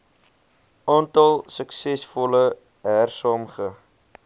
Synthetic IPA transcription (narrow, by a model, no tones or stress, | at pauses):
ɑntɐlˠsəksɛsfɔlə | ɦærsɑːmχə